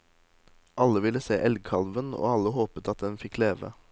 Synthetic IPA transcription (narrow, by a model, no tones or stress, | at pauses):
ʔɑləʋɪləseːʔɛlɡ̚kʰɑlʋəno̰ːɑləhoːpət̪ɑt̪̚d̪ɛnfɪkleːʋə̰